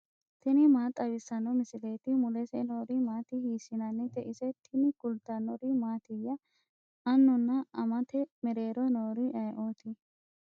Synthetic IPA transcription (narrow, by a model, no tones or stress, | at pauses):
t̪ɪnɪmaːt̪ʼːɐbɪsːɐnɔmɪsɪle̞ːt̪ɪmʊlɛsɛnoːɾɪmaːt̪ɪhiːsɪnɐnːɪt̪ɛʔɪsɛt̪ʰɪnɪɡ̥ʊlt̪ɐnɔɾɪmaːt̪ɪjːɐ | ɐnːʊnːɐʔɐmɐt̪ɛmɛɾe̞ːɾɔnoːɾɪʔɐjʔoːt̪ɪ